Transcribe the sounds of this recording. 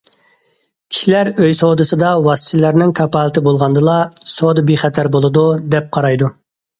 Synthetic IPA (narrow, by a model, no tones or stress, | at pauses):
kʲʰi̥ʃilæɾøjsod̪ɨsɨd̪ɑwɑst̪ʰɪlæɾnɪŋkʰɑpɑːlˠt̪ʰɪbolˠʁɑnd̪ɨlˠɑsod̪ɨbeχɛt̪ʰæɾbolˠɨd̪ud̪ɛp̚qʰɑɾɑjd̪u